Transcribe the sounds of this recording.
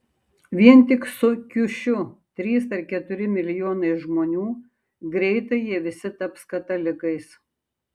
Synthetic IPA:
ʋʲiɛnt̪ʲɪksʊkʲʊʃʲʊt̪ʲɾʲiːsɐɾkʲɛt̪ʊɾʲɪmʲɪlʲɪjoːnɐɪʒmoːnʲuː | ɡɾʲɛɪt̪ɐɪjiɛʋʲɪsʲɪt̪ɐpskɐt̪ɐlʲɪkɐɪs

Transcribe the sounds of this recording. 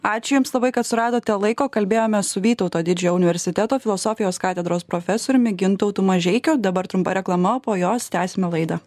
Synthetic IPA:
ɑːt͡ʃʲʊjʊmslˠɐbɐɪkɐt̪sʊɾɑːd̪oːt̪ʲɛlˠɐɪkoːkɐlʲbʲeːjoːmʲɛsʊʋʲiːt̪ɒʊt̪oːd̪ʲɪd͡ʒʲɛjɛːʊnʲɪʋʲɛɾʲsʲɪt̪ʲɛt̪oːfʲɪlˠosoːfʲɪjoːskɑːt̪ʲɛd̪ɾoːspɾofʲɛsoːɾʲʊmʲɪɡʲɪnt̪ɔʊt̪uːmɐʒʲɛɪkʲoːd̪ɐbɐɾt̪ɾʊmpɐɾʲɛklˠɐmɐpoːjoːst̪ʲæːsʲɪmʲɛlˠɐɪd̪ɐ

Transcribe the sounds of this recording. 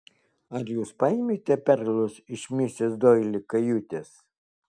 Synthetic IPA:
ɐɾjuːspɐimʲet̪ʲɛpʲɛɾlˠʊsɪʃʲmʲisʲesd̪ojlʲɪkɐjut̪ʲes

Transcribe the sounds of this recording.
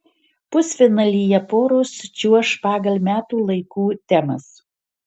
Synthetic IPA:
pʊsʲfʲɪnɐlʲijɛpoːɾʊst͡ʃʲuɔʃpɑːɡɐlʲˠmʲæːt̪uːlˠɐɪkuːt̪ʲɛmɐs

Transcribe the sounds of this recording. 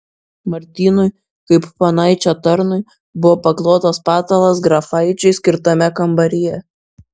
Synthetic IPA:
mɐɾʲt̪ʲiːnʊj | kɐɪppɐnɐɪt͡ʃʲot̪ɐɾnʊj | bʊʋoːpɐklˠoːt̪ɐspɑːt̪ɐlˠɐs̬ɡɾɐfɐɪt͡ʃʲɛɪsʲkʲɪɾt̪ɐmʲɛkɐmbɐɾʲɪjɛ

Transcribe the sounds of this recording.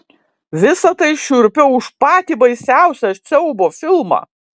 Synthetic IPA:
ʋʲɪsɐt̪ɐɪʃʲʊɾʲpʲoʊʃpɑːt̪ʲiːbɐɪsʲæˑʊsʲɛt̪sʲɛʊboːfʲɪlˠmɑ̰ː

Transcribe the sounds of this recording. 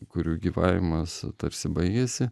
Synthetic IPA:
kʊɾʲuːɡʲiːʋɑːʋʲɪmɐst̪ɐɾʲsʲɪbɐɪɡʲɛsʲɪ

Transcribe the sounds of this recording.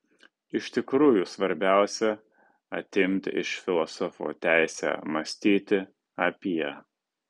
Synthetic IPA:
ɪʃʲt̪ʲɪkɾuːjusʋɐɾʲbʲæˑʊsʲɛ | ɐ̰t̪ʲɪmʲt̪ʲɪʃfʲɪlˠɔsɔfo̰ːt̪ʲæˑɪsʲæ̰ːmɐsʲt̪ʲiːt̪ʲɪ | ɐpʲijɛ

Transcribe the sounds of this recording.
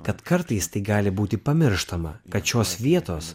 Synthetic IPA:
kɐt̪kɐɾt̪ɐɪst̪ɐɪɡɑːlʲɪbuːt̪ʲɪpɐmʲɪɾʃt̪ɐmɐ̰kɐt̪ʃʲoːsʋʲiɛt̪oːs

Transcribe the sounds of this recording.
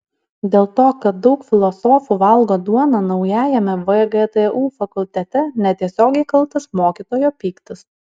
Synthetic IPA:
d̪ʲeːlˠt̪oːkɐt̪̚d̪ɒʊkfʲɪlˠɔsɔːfuʋɐlˠɡoːd̪uɔnɐnɒʊjæːjɛmʲɛʋəɡɛt̪ɛʔuːfɐkʊlʲt̪ʲɛt̪ʲɛnʲɛt̪ʲiɛsʲoːɡʲɛɪkɐlˠt̪ɐsmoːkʲit̪oːjoːpʲiːkt̪ɐs

